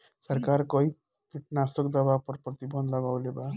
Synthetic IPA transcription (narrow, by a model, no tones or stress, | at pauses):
sɔɾkaɾkɔi | kiʈnasokd̪abapɔɾpɾɔt̪ibʱɔnd̪d̪aɡawleba